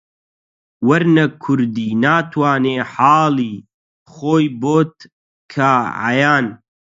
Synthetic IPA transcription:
wɐɾnɐkʰʊɾd̪iːnaːt̪ʰwaːneːħaːliː | χoːjboːt̪̚ | kʰaʕa̰jaːn

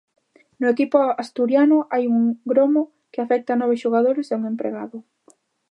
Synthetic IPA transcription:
nʊekipʊast̪uɾjanʊʔajuŋɡɾomo | kɪafɛk̚t̪anɔβɪʃoɣ̞aðoɾɪseuŋempɾḛɣa̰ðʊ

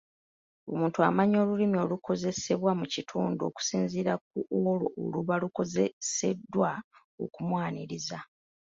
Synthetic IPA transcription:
o̞muːntua̰maɲo̞ːlulimio̞luko̞ze̞se̞βwamucitʰuːndo̞̰ku̥siːnziɾak̚uolo̞ʔo̰luβaluko̞zese̞dːwa | o̞̰kumwaːniɾiza

